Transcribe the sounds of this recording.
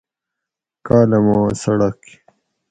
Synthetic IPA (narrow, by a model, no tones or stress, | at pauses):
kaːlɐmaːsɐɽɐki̥